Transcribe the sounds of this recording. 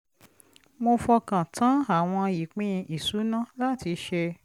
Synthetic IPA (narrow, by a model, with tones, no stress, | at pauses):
mo˧fɔ˧kã˨tʰã˨˦a˦˨w̃ɔ̃˧ji˨k͡pĩ˦ĩ˧ʔi˨su˨˦nã˦la˦˨ti˧ʃe˧